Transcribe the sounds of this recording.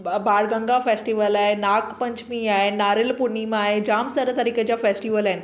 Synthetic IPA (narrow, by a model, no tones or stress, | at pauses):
baɽɡə̃ŋɡafesʈiʋəlaenakpəɲt͡ɕmiaɦenaɾilpunimaɦed͡ʑaːmsəɾət̪əɾiket͡ɕjafesʈiʋəlajn